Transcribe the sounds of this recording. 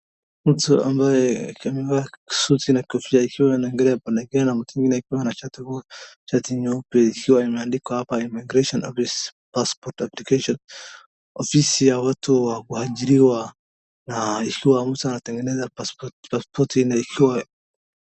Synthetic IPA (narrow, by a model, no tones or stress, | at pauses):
m̩tua̰mbajɛamɛvaki̥sutinakiɔfisaikʰiwanaɛŋɡɛɾɛapanɛɡɛanam̩tuiŋɡinɛikiwanat͡ʃatiut͡ʃatiɲɔpɛikʰiwaimɛandikwahapaimiɡɾaʃɔnʔɔfispaspɔɾtaplikaʃɔn | ɔfisijawatʰuwakuhaʄiɾiwa | naikʰiwam̩tuanatɛŋɡɛnɛzaasɔpaspɔtinaikʰiwa